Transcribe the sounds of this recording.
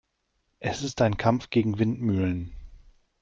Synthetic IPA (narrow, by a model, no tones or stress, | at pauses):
ʔɛsɪstaɪnkʰamfɡ̥eːɡŋ̩vɪntmyːlən